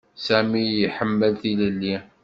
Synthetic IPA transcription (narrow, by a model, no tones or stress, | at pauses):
sæmijiħəmːəlθiləlːi